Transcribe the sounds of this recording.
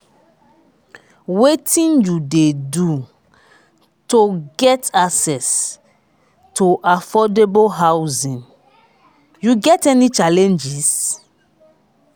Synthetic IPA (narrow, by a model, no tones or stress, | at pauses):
wetʰĩnjudedu | toɡɛtaksɛs | tʰoʔafɔdeboɦawzĩn | juɡɛtɛnit͡ʃalɛ̃nd͡ʒis